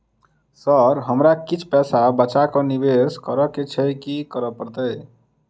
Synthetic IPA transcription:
səɾɦəmɾakit͡ʃʰpɛsabət͡ʃakɔnibeskəɾɔket͡ʃʰɛkikəɾəpəɾt̪əj

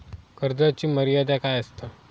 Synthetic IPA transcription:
kəɾd̪ət͡ɕiːməɾijad̪akajəst̪ə

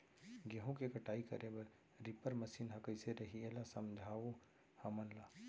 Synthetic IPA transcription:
ɡeɦõkekɐʈaːikɐ̰ɾebə | ɾɪpəɾməsiːnɦɐkəiseɾɐɦieːlasɐmd͡ʒʱaːʋo | hɐmənlaː

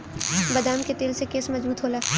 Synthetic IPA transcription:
bɐd̪aːmket̪eːlsekeːsmɐzbuːt̪ɦoːlaː

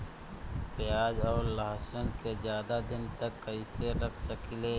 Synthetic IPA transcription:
pɪjaːd͡ʒɔːɾlaɦsʊnkezjaːd̪ad̪ɪnt̪əkːəiseɾɐkʰsəkileː

